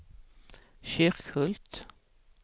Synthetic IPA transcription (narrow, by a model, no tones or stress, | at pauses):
ɕʏɾkhɵlt̪